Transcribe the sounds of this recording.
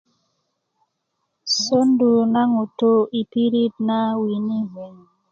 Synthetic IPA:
so˦ndu˨na˦ŋu˨to˦i˨pi˦ɾi˦t̚na˦wi˨ni˦ɦe˨ŋ

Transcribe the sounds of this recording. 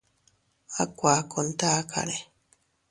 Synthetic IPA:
a˦kʷa˨ko˧nt̪a˦ka̰˨ɾe˨

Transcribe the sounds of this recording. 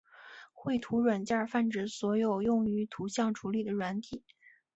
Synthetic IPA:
xwe˥˩ɪt̪ʰu˧˥ɻwa˨˩nt͡ɕja˥˧fa˥˩nʈ͡ʂɻ̩˧˥˩swɔ˧˥jo˨˩ʊjʊ˥˩ŋy˧˥t̪ʰu˧˥ɕjɑ˥˩ŋʈ͡ʂʰu˧˥li˨˩d̪ə˩ɻwa˧˥nt̪ʰi˨˩˦

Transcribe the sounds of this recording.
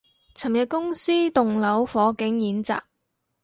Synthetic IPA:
t͡sʰɐ˨˩mjɐ˨kʊ˥ŋsiː˥t̪ʊ˨ŋlɐ˨˥wfɔː˨˥kɪ˨˥ŋjiː˨˥nt͡sa̰ː˨k̚

